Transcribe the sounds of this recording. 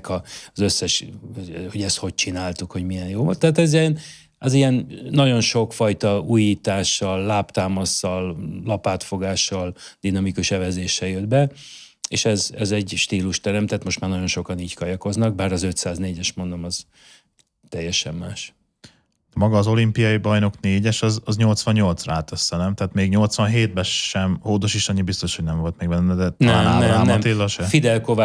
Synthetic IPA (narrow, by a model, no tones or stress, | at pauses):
kɒzøsːɛʃ | ho̞ɟɛst̪ho̞c̚t͡ʃinaːlt̪ukho̞ɟmiɛnjoːvot̪ɛːt̪ɛziɛn | ɛzijɛnːɒɟo̞nʃo̞kfɒjt̪ɒuːjiːt̪aːʃːɒlːaːpt̪aːmɒsːɒllɒpaːt̪fo̞ɡaːʃːɒld̪inɒmikuʃɛvɛzeːʃɛjød̪bɛ | eːʃɛzɛzɛɟʃt̪iːluʃt̪ɛɾɛmt̪ɛt̪mo̞ʃtmaːrnɒɟo̞nʃo̞kɒniːckɒjɒko̞znɒɡ̚baːɾɒzø̞t̪saːzneːɟɛʃmo̞nd̪o̞mɒz̥ | t̪ɛjːɛʃɛmːaːʃ | ɛmɒɡɒːzo̞limpijɒjibɒjno̞kneːɟɛʃɒzɒzɲo̞lt̪sʋɒɲːo̞lt̪sraːt̪ɛsːɛnɛmt̪ɛaːt̪meːɡɲo̞lt̪sʋɒnɦeːd̪̚bɛʃɛmhoːd̪oʃiʃɒɲːibist̪o̞ʃhoɟnɛɱvo̞lt̪mɛːɡbɛnːɛd̪ɛt̪naːaːɛɾaːmɛɒmt̪eːlːɒʃɛfid̪ɛlkova